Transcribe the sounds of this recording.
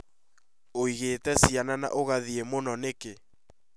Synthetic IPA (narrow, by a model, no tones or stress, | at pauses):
oiɣetɛsianana̰ʔoɣaðiemonɔneke